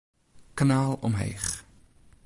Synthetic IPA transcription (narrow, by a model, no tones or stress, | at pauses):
kanaːlˠɔmɦḛjχ